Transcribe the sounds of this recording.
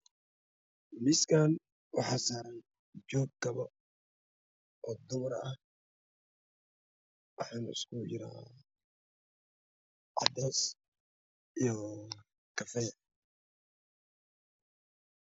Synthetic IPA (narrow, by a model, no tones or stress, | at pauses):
mɪskʰaːn | wɑħɑːsaːɾɐːn | d͡ʒɔːɡ̚kɐβɐ | ʔɔːd̪ʊmɐrɐh | wɑħɑːnɪ̰skʰʊt͡ʃɪɾa̰ː | ʕɑ̰d̪ɛːs | ijɔ | kʰɐfɛː